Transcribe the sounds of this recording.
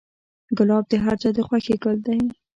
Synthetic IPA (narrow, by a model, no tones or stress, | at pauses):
ɡʊlɑb̚d̪əɦaɾt͡sad̪əxwaxeɡəld̪aj